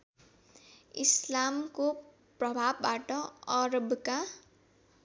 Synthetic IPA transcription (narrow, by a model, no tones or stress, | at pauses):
islamko | prʌbʱabːaʈʌʌɾʌbka